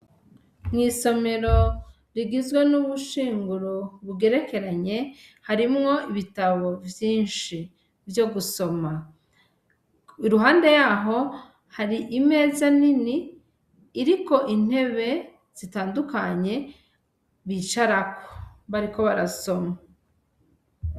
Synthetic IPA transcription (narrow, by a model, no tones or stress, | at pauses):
mŋiːso̞me̞ɾo̞ | ɾiɡizɡwenuβuʃiːŋɡuɾoβuɡe̞ɾeke̞ɾaɲe̞haɾimŋo̞iβitaβo̞vjiːnʃi | vjo̞ɡuso̞ma | iɾuɦaːnde̞jaɦo̞ | haɾiʔime̞ːzaniniː | ɾiko̞ʔin̥he̞βe̞ | z̥itaːndukaɲe̞ | βiːt͡ʃaɾako̥βaɾiko̞βaɾaso̞ma